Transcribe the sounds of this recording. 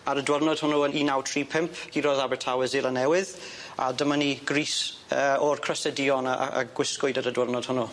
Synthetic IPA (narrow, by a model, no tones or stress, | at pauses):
əɾədwərnɔd̥hʊnuəniːnawtʰriːpʰɪmpʰɡ̥iːɾoðabɛtʰawɛzɪlˠənɛwɪð | a̰dəməniɡriːs | əɔrkʰr̥əsədiɔna̰a̰ɡ̥wɪskʊjdəɾədwərnɔd̥hʊnu